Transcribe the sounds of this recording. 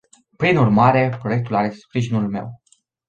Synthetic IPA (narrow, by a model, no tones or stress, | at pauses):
pɾinurmaɾe̞pɾo̞je̞k̚t̪ulaɾe̞spɾiʒinulme̞̰w